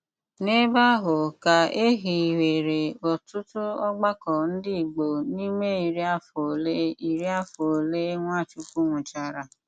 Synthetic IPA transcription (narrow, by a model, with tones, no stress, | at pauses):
ne˦ba˦ɦʊ˨ka˨e˦ɦi˨i˨we˨ɾe˨ɔ˨tʊ˦tʊ˦ɔ˦ɡ͡ba˦kɔ˨n̩˦dɪ˦i˨ɡ͡bo˨ni˦me˦i˨ɾi˦a˦fo˨le˦i˨ɾi˦a˦fo˨le˦ŋʷa˦˨t͡ʃu˦ku˦ŋʷʊ̃˨t͡ʃa˨ɾa˨